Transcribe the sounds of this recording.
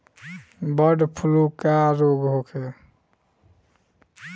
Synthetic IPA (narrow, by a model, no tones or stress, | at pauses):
bəɖpʰulukaɾoɡɦokʰe